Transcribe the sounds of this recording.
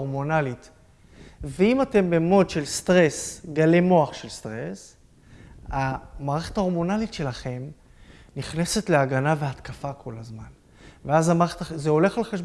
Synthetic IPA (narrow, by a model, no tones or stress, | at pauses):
ʁmo̞nalit | veimate̞mbemo̞dʃe̞lst̪ʁe̞sɡale̞mo̞aχʃe̞lst̪ʁe̞s | amaːʁeχetao̞mo̞nalitʃe̞laχe̞m | niχne̞se̞tleaɡanave̞at̪kafakʰo̞lazman | veazamaːeetazeo̞le̞χalχaʃ